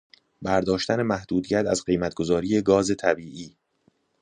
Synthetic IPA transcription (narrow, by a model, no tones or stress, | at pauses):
bæɾd̪ɒːʃt̪æne̞mæhd̪uːd̪ijæt̪ʰæzɢe̞jmæt̪̚ʰɡ̥o̞zɒːɾiːje̞ɡɒːze̞t̪ʰæbiːʔiː